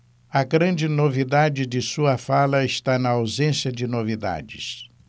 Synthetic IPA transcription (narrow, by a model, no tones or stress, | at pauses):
ɐɡɾɐ̃d͡ʒɪnovid̪ad͡ʒɪd͡ʒɪsuɐfalɐɪʃt̪anɐawzẽsjɐd͡ʒɪnovid̪a̰d͡ʒɪ̰s